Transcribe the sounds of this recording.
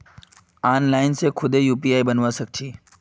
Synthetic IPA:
aːnlaːɪnsekʰʊd̪ʱejuːpiaːibənʋasək̚t͡ʃʰiː

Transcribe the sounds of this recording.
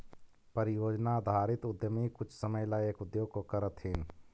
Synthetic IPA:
pəɾɪjoːd͡ʒnad̪ʱaːɾɪt̪ʊd̪jəmikʊt͡ʃʰsəməjlaeːkʊd̪joːɡ̚kokəɾət̪ɦin

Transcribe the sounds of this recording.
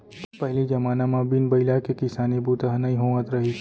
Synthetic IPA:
pəɦɪlid͡ʒəmaːnamãbinbəɪlakekɪsaːnebut̪aɦnəĩɦoʋə̃t̪ɾəɦi

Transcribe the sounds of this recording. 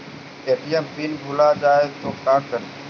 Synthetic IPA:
keːʈiːɛmbinbʱʊlaːd͡ʒaːet̪oːkãːkəɾeː

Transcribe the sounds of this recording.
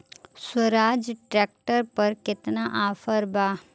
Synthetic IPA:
swəɾaːd͡ʒʈɾɛːk̚ʈəɾpɐɾkɪt̪naʔaːfəɾbaː

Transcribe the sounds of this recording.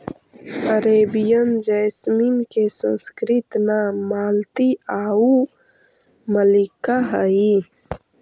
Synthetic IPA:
əɾeːbijəmd͡ʒəːjsmiːnkesə̰̃nskɾɪt̪naːaːlt̪iaːu | məlikaɦəi

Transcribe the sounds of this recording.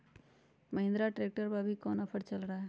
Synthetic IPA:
məɦĩnd̪ɾaʈɾek̚ʈəɾbabʱikɔnəpʰəʈt͡ʃəlɾaɦ

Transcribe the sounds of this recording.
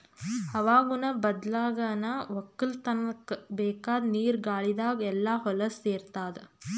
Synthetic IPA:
ɐʋaːɡunɐbɐd̪laːɡɐnɐʋɐkːɐlt̪ɐnkbɛːkaːd̪niːɾɡaːɭid̪aːɡɛlːaːɦɔlɐseːɾt̪aːd̪e

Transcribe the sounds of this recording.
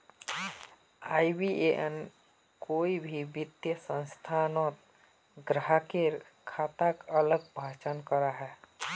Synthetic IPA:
aːibieʔɛn | koːibʱibɪt̪jəsə̃nst̪ʰanɔt̪ | ɡɾəɦakeɾ | kʰaːt̪akələɡ̚bʱaːt͡ʃənkəɾaɦɛː

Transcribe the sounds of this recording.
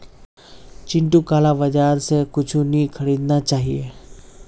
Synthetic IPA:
t͡ʃɪ̃ɳʈukaːlabɐd͡ʒaːɾsekʊt͡ʃʰunĩkʰɐɽiːd̪nat͡ʃaːɦieː

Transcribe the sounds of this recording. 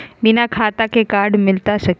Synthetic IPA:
bɪnakʰaːt̪akekaːɾɽmɪlt̪aʃɐk

